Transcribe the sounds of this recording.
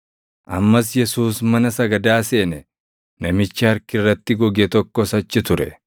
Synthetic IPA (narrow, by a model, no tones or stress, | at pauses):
ʔɐmːɐs̬jɛsuːsmɐnɐsɐɡɐd̪aːse̞ːnɛ | nɐmɪt͡ʃːɪɐɾkɪrːɐt̪ːɪɡɔɡɛt̪ɔkːɔsɐt͡ʃːɪt̪ʊɾɛ̰